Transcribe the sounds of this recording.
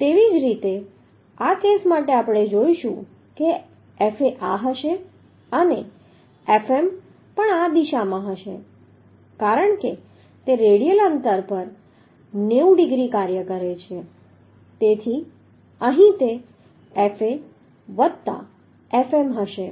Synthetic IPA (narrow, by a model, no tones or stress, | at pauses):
t̪eʋid͡ʒɾit̪e | akesmaʈeapɽ̃ed͡ʒoiʃṵ̃ | ke | efeʔaɦəʃe | əne | efem | pəɳad̪iʃamãɦəʃḛ | kaɾəɳke | t̪eɾeɽijələnt̪əɾpəɾ | neuɖiɡɾikaɾjəkəɾet͡ʃʰe | t̪et̪ʰi | əɦĩt̪e | efe | ʋət̪t̪a̰ | efemɦəʃe